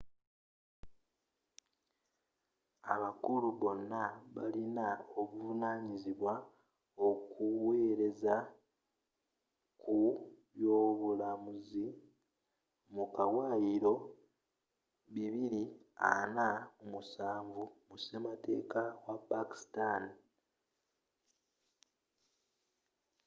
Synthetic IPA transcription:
aβakuluβo̞nːaβa̰linaoβuvunaːɲiziβwa | okuwe̞ːɾe̞za | kʰuβjo̞ːβulamuzi | mukawajiɾo̞ | βiβiɾia̰naomusaːɱvumusemate̞ːkawapaki̥stan

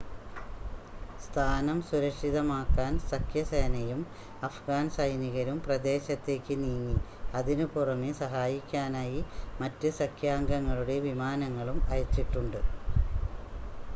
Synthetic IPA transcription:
st̪ʰaːnɐmsuɾɐkʂiðɐmaːkːaːnsɐkʰjɐseːnɐjum | ɐfɡaːnsɐjniɣɐɾumprɐd̪e̞ːɕɐt̪ːe̞ːkʲːɨniːŋːi | ɐðinɨpurɐmesɐɦaːjikʲːaːnaːjimɐtːɨsɐkʰjaːŋɡɐŋːɐɭuɽe̞ʋimaːnɐŋːɐɭumɐjɐt͡ɕːiʈːuɳɖɨ

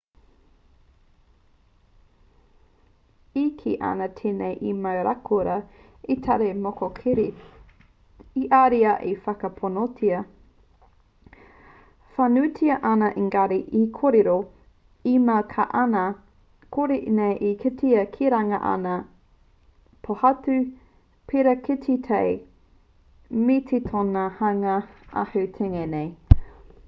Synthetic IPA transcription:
ikʰiʔɐ̰nɐtʰeːnejʔimɐwɾakʰuɾɐ | itʰɐɾemokokʰiɾi | iʔaɾiɐʔifɐkɐpʰonotʰiɐ | fanʉtʰiɐʔɐnɐʔiŋɡɐɾiʔikʰoɾeɾo | imɐwkʰa̰ʔɐnɐ | kʰoɾinejʔikʰetʰiɐkʰiɾɐŋɐʔɐ̰nɐ | pʰohɐtʉ | pʰeɾɐkʰetʰitʰej | metʰitʰonɐhɐŋɐʔa̰hɐwtʰeŋenej

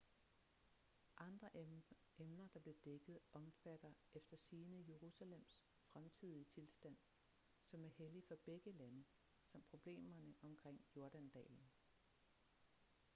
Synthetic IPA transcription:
ʔɑ̈nd̥ʁɐ | emnɐd̥ɑ̈b̥le̝d̥eɡ̥ð̩ˠʔɒ̽mfæd̥ɐefd̥ɐsiːnəje̝ʁusælem̰s | fʁamt͡sʰið̰ˠiət͡sʰe̝lsd̥æn̰ | sɒ̽mæɐhelifɒ̽b̥eɡ̥əlænə | sɑ̈m̰pʰʁo̝b̥le̝̰ːmɐnəʔɒ̽mkʰʁeŋ̰jo̝ɐd̥ænd̥ɛ̰ːln̩

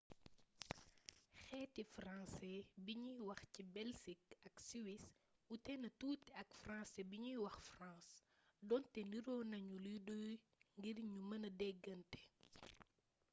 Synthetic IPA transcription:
xɛːtifrãnsɛbiɲijwɐxcibɛlsik̚ɐksiwis | utɛnɐtuːtɛɐkfrãːsɛbiɲujwɐxfrãːs | dɔntɛniɾɔːnɐɲuludɔj | ŋɡiɾɲumɐnɐdɛɡːɐntɛ̥

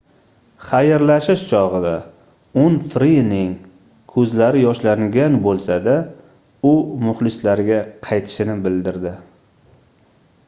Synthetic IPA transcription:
χajɪɾlaʃɪʃt͡ʃʰɒʁɨd̪a | ʊnfɾinɪŋ | kʰɵzlaɾɪjɒʃlaŋɡʲanbolˠsad̪a | ʊmʊχlɪslaɾɡʲaqʰɑjt̪ʰɪ̥ʃɪnɪbɪld̪ɪɾd̪ɪ

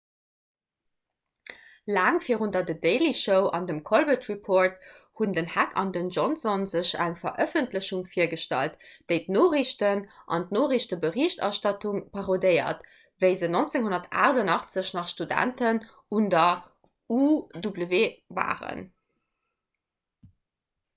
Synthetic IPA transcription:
laːŋfiːʁundɐdədeɪliʃəʊʔɑ̰ndəmkʰolbətʁipʰoːɹthundənhækʰɑ̰ndənʒɔnsɔnzəɕæŋfɐʔœfəntləɕuŋfiːɐɡəʃtɑ̰ltd̥əɪtnoːʁiɕtənʔɑ̰ntnoːʁiɕtəbəʁiɕtɑ̰ʃtɑtuŋpʰɑʁodəɪɐ̰t | vəɪzənont͡seŋɦonɐtʰa̰ːʁdɑnɑχt͡səɕnɑχʃtudæ̰ntən | undɐ | udubləveːva̰ːʁə̰n

